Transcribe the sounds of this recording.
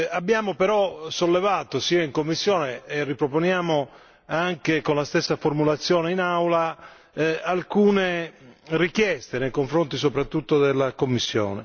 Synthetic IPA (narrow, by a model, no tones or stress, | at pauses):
abːjaːmopɛɾɔsolːevaːt̪osiːaiŋkomːisːjɔːneːrːipɾoponjaːmo | aŋkekonlast̪esːaformulat̪sːjɔːneinawla | alkuːnerik̟jɛst̪enejkoɱfɾont̪is̬opɾat̪ːut̪ːod̪elːakomːisːjɔ̰ːnḛ